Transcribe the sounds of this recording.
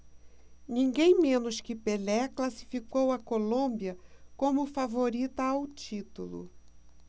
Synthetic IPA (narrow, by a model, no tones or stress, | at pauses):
nĩŋɡẽj̃mẽnʊskɪpelɛklasi̥fikowɐkolõbiɐkõmʊfavoɾit̪ɐawt͡ʃit̪ulʊ̰